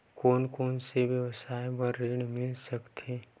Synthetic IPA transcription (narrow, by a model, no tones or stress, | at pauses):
koːnkoːnsebjəʋsaːjbəɾːeɽmɪlsɐkt̪ʰeː